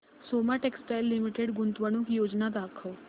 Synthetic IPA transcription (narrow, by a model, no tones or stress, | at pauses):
soːmaʈeksʈajlːimiʈeɖɡʊnt̪ʋəɽ̃ukjoːd͡ʒnad̪aːkʰəl